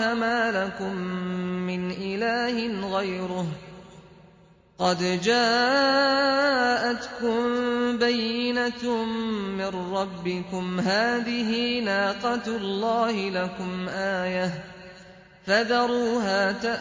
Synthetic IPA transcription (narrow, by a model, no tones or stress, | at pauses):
amaːlakʊmː | ɪnʔɪlaːhɪnɣajɾʊh | qɑd̪d͡ʒaː | ʔat̪kʊmbajːɪna | mɪnɾɑbːɪkʊmɦaːðɪɦiːnaːqɑt̪lˤːɑːhɪlakʊmʔaːjah | faðɑɾˤuːɦaːt̪aʔ